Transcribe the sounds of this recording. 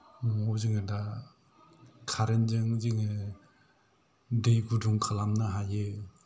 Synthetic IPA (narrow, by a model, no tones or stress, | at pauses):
ŋɔzɯŋɯda | kʰaɾenzɯŋziŋɯ | dejɡuduŋkʰalamnɯɦajɯ